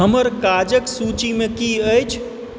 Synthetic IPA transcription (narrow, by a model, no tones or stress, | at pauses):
ɦəməɾkad͡ʒəksut͡ʃimẽkiəjt͡ʃʰ